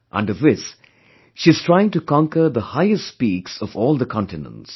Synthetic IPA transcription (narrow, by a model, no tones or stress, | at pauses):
ʔə̰̃nɖʌvðɪs | ʃiɨz̥tʰɹaɪɪ̃ŋʈukɑ̃ŋkəɾd̪əhaɪɨstspiːksɔvɔːlˠd̪əkʰɔ̃ntɪnə̰̃nts